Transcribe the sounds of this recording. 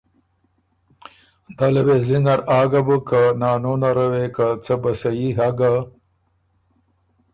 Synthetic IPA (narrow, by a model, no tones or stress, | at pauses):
d̪alawezlinaɾaːɡabəkanɑːnonaɾawekat͡səbasajiɦaɡa